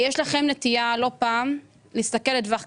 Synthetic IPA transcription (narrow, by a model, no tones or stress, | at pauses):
jeʃlaχe̞mnet̪ijalo̞paːm | leist̪ake̞lːedvaχ